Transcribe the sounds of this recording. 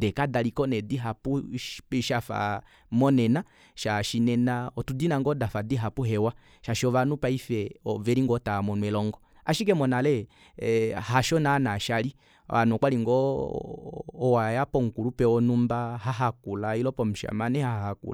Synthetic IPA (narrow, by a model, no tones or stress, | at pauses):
dɛkadalikɔnɛdiɦapuʃafa̰ | mɔnɛna | ʃaʃinɛnaɔtudinaŋɡɔdafadiɦapuɦɛwa | ʃaʃɔvanupaifɛɔvɛɾiŋɡɔtamɔnwɛlɔŋɡɔ | a̰ʃik̬ɛmɔnalɛ | haʃɔnanaʃali | anɔkwaliŋɡɔ | wajapɔŋ̩kulupɛɔnumbaɦaɦakulailɔpɔm̩ʃa̰manɛhahakṵl